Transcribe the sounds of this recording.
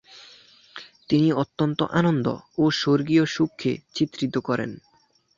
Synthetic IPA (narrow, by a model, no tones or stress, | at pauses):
t̪iniot̪ːont̪o̰ʔanond̪o̰oʃoɾɡioʃukʰːḛt͡ɕit̪ːɾit̪okɔɾḛn